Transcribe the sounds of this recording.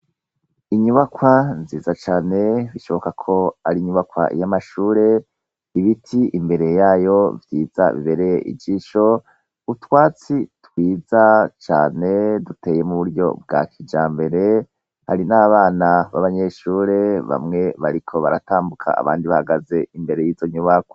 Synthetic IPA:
iɲuβakwanziːzat͡ʃaːne̞βiʃo̞βo̞kakʰo̞aɾiɲuβakwa̰ijamaʃuːɾe̞ | iβitʰiʔimbe̞ɾe̞jaːjo̞vjiːz̥a̰βiβe̞ɾe̞jḛʔḭd͡ʒiːʃo̞ | utwaːt͡sitwiːzat͡ʃa̰ːne̞dute̞ːje̞muβuɾɟo̞̰b̚ɡa̰kʰid͡ʒaːmbe̞ɾe̞ | ha̰ɾinaːβaːnaβaβaɲe̞ʃuːɾe̞βa̰mŋe̞βa̰ɾikʰo̞βa̰ɾa̰taːmbukʰa̰a̰βa̰ːndiβahaɡaze̞imbe̞ɾe̞jiːzo̞ɲuβakwa

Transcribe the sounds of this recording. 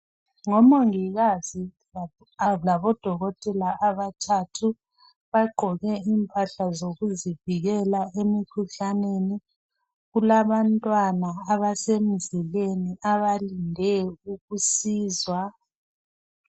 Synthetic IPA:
ŋɔmoŋiɣazi | laβɔd̥ʱɔɣɔtʼɛlaʔːβatʰatʰu | βaɡ͡ǃʱɔɣɛimpʰaɬazoɣuziviɣɛlaemikʰuɬaneni | ɣulaβantʼwanaːβasem̩zɛleniʔaβalindʱɛuɣusiːzwa

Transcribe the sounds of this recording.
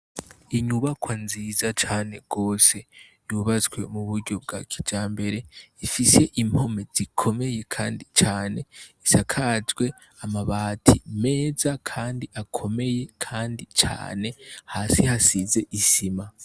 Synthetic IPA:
iɲuβakwanziːzat͡ʃaːne̞ɡ̥o̞ːse̞ | juβat͡sɡwe̞̰muβuɾɟo̞b̚ɡakʰi̥d͡ʒaːmbe̞ɾe̞ifise̞ʔim̥ho̞me̞z̥ikʰo̞me̞je̞kʰaːndit͡ʃaːne̞isakʰaːd͡ʒɡwe̞ | amaβaːtʰime̞ːzakʰaːndiʔakʰo̞me̞je̞kʰaːndit͡ʃa̰ːne̞haːsihasize̞ʔisima

